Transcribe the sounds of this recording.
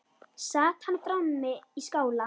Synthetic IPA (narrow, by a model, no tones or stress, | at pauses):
sat̪ʰant̪ʼɾanmɛiskʼawla